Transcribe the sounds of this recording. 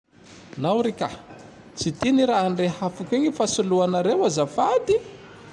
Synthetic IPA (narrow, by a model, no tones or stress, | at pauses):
nawɾika̰ | t͡sit̪iniɾaaɳrehafakʲiɲifasuluanaɾewazafad̪i